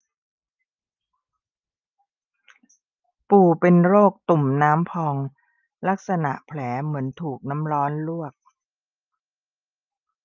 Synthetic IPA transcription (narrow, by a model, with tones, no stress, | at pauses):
puː˨˩pe˧nɾoː˥˩k̚t̪u˨˩mnaː˦˥mpʰɔː˧ŋ | la˦˥k̚sa˧na̰˨˩ʔpʰlɛː˩˦mɯ˩˦ənt̪ʰuː˨˩k̚na˦˥mɾɔː˦˥nlu˥˩ək̚